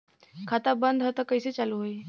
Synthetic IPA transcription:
kʰat̪abənd̪ʱɦət̪akəjset͡ɕaluɦoi

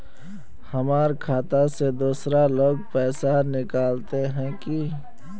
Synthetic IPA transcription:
hɐmaːɾkʰaːt̪ased̪uːsɾaloːɡ̚pɛːsanɪkaːlt̪eɦɛ̃ki

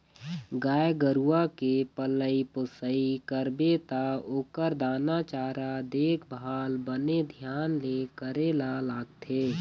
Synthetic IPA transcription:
ɡaːjɡəɾuakepələipʊsəikəɾbet̪aoːkəɾd̪aːnat͡ʃaːɾad̪eːkʰbʱaːlbəned̪ʱjaːnlekəɾeːlalaːɡ̚t̪ʰeː

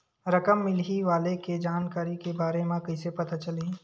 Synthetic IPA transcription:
ɾɐkəmːɪlɦiʋaːleked͡ʒaːnkaːɾikebaːɾemẽkɐsepɐt̪at͡ʃəliː

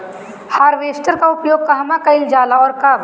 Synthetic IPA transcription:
haːɾʋeːsʈəɾkaʊpjoːɡ̚kɐɦɐmãkɐɪld͡ʒaːlaɔːɾkaːʋ

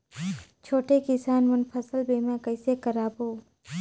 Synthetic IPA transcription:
t͡ʃʰoːʈekɪsaːnmɐnpʰəsəlbeːmãkəɪsekəɾaːboː

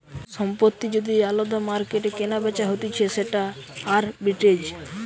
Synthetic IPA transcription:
ʃɔmpot̪ːid͡ʑod̪ialod̪amaɾkeʈekenabet͡ɕaɦot̪it͡ɕʰeseʈaːɾbiʈed͡ʑ

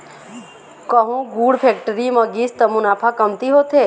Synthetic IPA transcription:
kəɦũɡuːɽpʰeːk̚ʈəɾimə̃ɡist̪əmũnaːpʰakəmt̪iɦoːt̪ʰeː

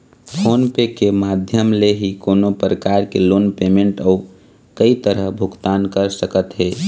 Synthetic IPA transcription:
pʰoːnpekemaːd̪ʱjəmleɦikoːnopɾəkaːɾkeloːnpeːmẽɳʈɔːu | kəit̪əɾəɦbʱʊɡt̪aːnkəɾsəkət̪ɦeː

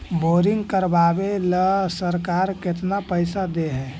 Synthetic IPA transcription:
boːɾɪŋɡkəɾbabeləsəɾkaːɾkɪt̪napəɪsad̪eɦɛː

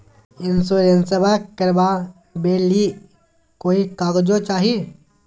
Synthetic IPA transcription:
ɪnsoːɾensəbakəɾbaː | beːli | koːikaːɡd͡ʒot͡ʃaːɦie

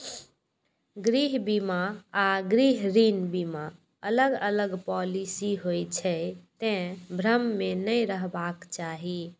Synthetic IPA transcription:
ɡɾiɦbimaaɡɾiɦɾinbima | ələɡələɡpɔlisiɦojt͡ʃʰɛt̪ẽbʱɾəmːenəɾəɦbakt͡ʃaɦi

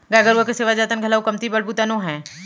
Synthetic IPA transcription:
ɡaːɡəɾʋokeseːʋad͡ʒaːt̪ənɡʱɐlaːukɐmt̪ibəɽbut̪anõɦɛ̃ː

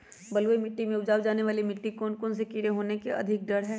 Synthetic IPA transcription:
bɐlʋoimɪʈːimẽʊd͡ʒaːwd͡ʒaːneʋaːlimɪʈːikoːnkons̬ekiɾeɦoːnekeʔɐ̰d̪ʱɪk̚ɖɐɽɦɛː

